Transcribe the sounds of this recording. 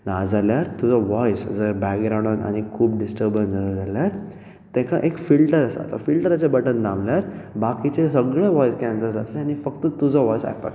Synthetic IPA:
nad͡zaljaɾt̪ud͡zɔʋɔjsd͡zəɾbɛkɡɾawɳɖɔna̰ɽ̃ikʰuːp̚ɖisʈəɾbənd͡zalad͡zaljaɾ | t̪ɛ̃ka̰ʔekfilʈəɾəsa̰t̪a̰filʈəɾat͡sebəʈənd̪ãmljaɾbakit͡ɕesəɡɭẽʋɔjskɛ̃nsəɾd͡zat̪lẽañifəkt̪ət̪ud͡zɔʋɔjsa̰jpa̰k

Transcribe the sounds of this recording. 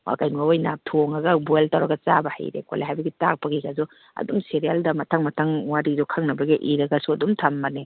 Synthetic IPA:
wa̰kajnumawojnatʰoŋɐɡɐbueltɐwɾɐɡɐt͡ʃabɐha̰jɾḛko̰leɦajbɐɡitak̚pɐɡiɡazɔ | ɐ̰dumseɾijaldɐmɐtʰɐŋmɐtʰɐŋwaɾidɔkʰɐŋnɐbɐɡiʔiɾɐɡɐsuɐdumtʰɐmːɐne

